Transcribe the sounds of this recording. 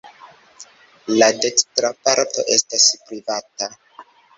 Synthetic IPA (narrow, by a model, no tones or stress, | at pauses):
lade̞kstɾapaɾto̞̰ʔe̞staspɾivata